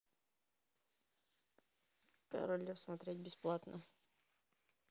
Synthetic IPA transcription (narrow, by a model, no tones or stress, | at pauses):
kɐ̰ɾolʲɪfsmɐt̪ɾʲetʲbʲɪsplˠat̪nə̰